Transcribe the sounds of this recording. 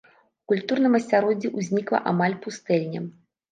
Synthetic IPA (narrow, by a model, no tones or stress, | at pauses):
ukulʲt̪urnɨmɐsʲaɾɔd͡zʲːiʔuzʲnʲiklˠɐ̰ʔamalʲpust̪ɛlʲnʲɐ̰m